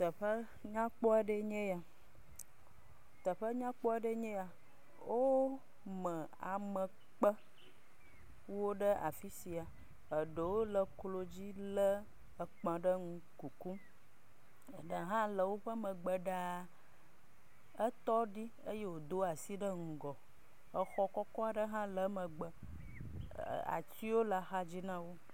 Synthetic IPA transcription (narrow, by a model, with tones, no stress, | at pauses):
t̪ə˨ɸə˦ | ɲã˦k͡pɔ˦e˦ɖə˦ɲɛ̃˦ja˨ | t̪ə˨ɸə˦ɲã˦k͡pɔ˦e˦ɖə˦ɲẽ˦ja˨ | wʔo˦ | mə̃˨a˨mə̃˨ | k͡pə˦ | wo˦ɖə˦ʔa̰˨fi˦si˨a˨ | ə˨ɖə˨wo˦lə˦klo˦d͡ʑi˦lə˦ | ə˨k͡pã˨ɖə˦ŋũ˦ | ku˨ku˦˨ | ɖə˨ɦã˦lə˨wo˦ɸə˦mə̃˨ɡ͡bə˨ɖa˨ | ə˦t̪ɔ˦ɖi˦ | ə˦je˦wo˨d̪o˦a˨si˦ɖə˦ŋ̩˨ɡɔ˨ | ə˦xɔ˦kɔ˦kɔ˦a˨ɖə˦ɦã˦lə˨˦mə̃˨ɡ͡bə˨ | a̰˨ti˦wo˦la˨xa˦d͡ʑi˦nã˦wo˦